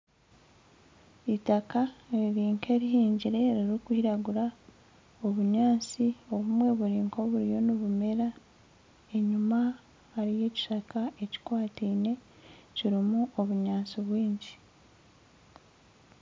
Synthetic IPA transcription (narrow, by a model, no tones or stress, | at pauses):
itakaeɾiɾiːŋke̞ːɾiɦiːɲɟiɾe̞ɾiɾikwiːɾaɡuɾa | o̞βuɲaːnt͡sio̞βumwe̞βuɾiːŋko̞βuɾijo̞niβume̞ɾa | e̞ɲuma | haɾije̞ːci̥ʃakae̞ci̥kwaːtiːne̞ | ciɾimuo̞βuɲaːnt͡siβwiːɲɟi